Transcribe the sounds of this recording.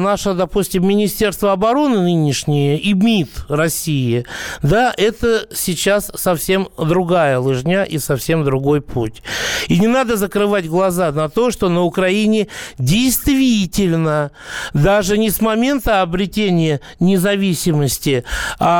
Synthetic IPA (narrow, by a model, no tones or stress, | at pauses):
naʂəd̪ɐpusʲtʲɪmːʲɪnʲɪsʲtʲe̞rst̪vəɐbɐɾo̞nɨnɨnʲɪʂnʲɪjəʔimʲit̪rɐsʲijɪd̪aʔɛt̪əsʲɪt͡ɕasːɐfsʲe̞md̪ɾʊɡajəlˠɨʐnʲaʔisɐfsʲe̞md̪ɾʊɡo̞jputʲinʲɪnad̪əzəkɾɨvatʲɡlˠɐzanɐt̪o̞ʂt̪o̞nəʊkɾɐinʲɪdʲɪjst̪vʲitʲɪlʲnə | d̪aʐɨnʲɪsmɐmʲe̞nt̪əɐbɾʲɪtʲenʲɪjə | nʲɪzɐvʲisʲɪməsʲtʲɪa